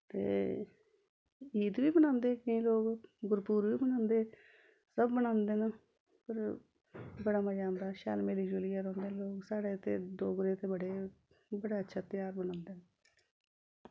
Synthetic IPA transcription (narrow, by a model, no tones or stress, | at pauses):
t̪ḛː | iːd̪ʋiːbənãːnd̪eːkəĩːloːkɡʊɾpuːɾʋiːbənãːnd̪eː | səbːəñãːnd̪eːnãː | pəɾ | bəɽaːməd͡ʒãːnd̪aːʃa̰ːlmeːliːd͡ʒuːlɪjaːɾõːnd̪eːloːksaːɽeːt̪eːd̪oːɡɾeːt̪eːbəɽeː | bəɽaːətːʃʰaːt̪ɪjaːɾbəñãːnd̪eːnː